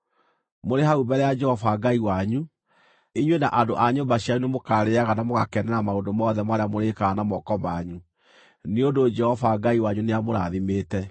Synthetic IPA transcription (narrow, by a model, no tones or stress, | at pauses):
moɾeɦaubɛɾɛjad͡ʒɛhɔfaɡaiwaɲu | iɲwenaʔandoʔaɲombaɕiaunemokaɾeaɣanamoɣakɛnɛɾamaoːndomɔːðɛmaɾeamoɾekaanamɔkɔmaɲu | neondod͡ʒɛhɔfaɡaiwaɲuneamoɾaðimeːtɛ